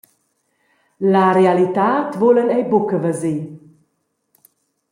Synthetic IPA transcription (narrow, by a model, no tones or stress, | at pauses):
laɾealit̪aːt̪volənɛjbukəvəzi